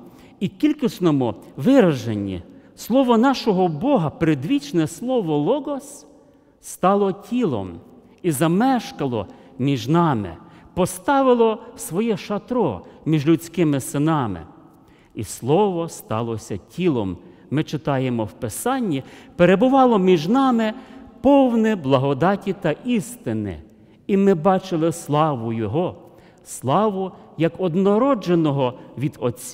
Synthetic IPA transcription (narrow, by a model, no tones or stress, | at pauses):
ikʲilʲkisnɔmʊʋɪɾɐʒenʲːḭslˠɔʋɔnɑʃɔɦɔbɔɦɐpɾed̪ʋʲit͡ʃnɛslˠɔʋɔlˠɔɡɔsː | t̪ɑlˠɔtʲʰilˠɔ̰m | izɐmɛʃkɐlˠɔ̰mʲiʒnɑmɪ̰pɔst̪ɑʋɪlˠɔwsʋɔjɛʃɐt̪ɾɔ̰mʲiʒlʲʊt͡sʲkɪmɪsɪnɑmɪ̰ | islˠɔʋɔst̪ɑ̰lˠɔsʲɐtʲʰilˠɔ̰mː | ɪt͡ʃɪt̪ɑjemɔwpesɑnʲːipeɾebʊʋɑlˠɔmʲiʒnɑmɪpɔwnɪblˠɐɦɔd̪ɑtʲit̪ɐʔist̪ɪnɪ̰ | imɪbɑt͡ʃɪlˠɪslˠɑʋʊjɔɦɔ | slˠɑʋʊjɐkɔd̪nɔɾɔd͡ʒenɔɦɔʋʲid̪ɔt͡sʲ